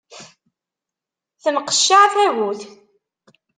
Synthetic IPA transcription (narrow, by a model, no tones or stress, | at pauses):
θəmqə̥ʃːaʕθæʝuθ